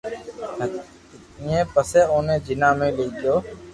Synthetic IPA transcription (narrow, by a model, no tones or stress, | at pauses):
ɪ̃ːẽːpəseːoːnẽːd͡ʒɪnãːmẽːliːɡɪjoː